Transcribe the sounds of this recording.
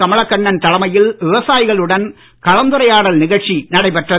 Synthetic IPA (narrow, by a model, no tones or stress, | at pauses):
kɐmɐɭɐkːɐɳːɐnt̪ɐlɐmɐjɪlʋɪʋɐsaːjɪɣɐɭɯɽɐn | kɐɻɐnd̪ɯɾɐjaːɽɐlnɪɣɐɭt͡ʃinɐɽɐɪpɛʈrɐ